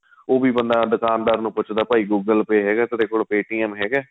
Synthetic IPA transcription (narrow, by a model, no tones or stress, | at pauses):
oːbiːbənd̪aːd̪ʊkaːnd̪aːɾnũːpʊt͡ʃʰd̪aːpaːiːɡuːɡəlpeːɦɛːɡɛːt̪ɪt̪eːkoːɽpeːʈiːɛːmɦɛːɡɛː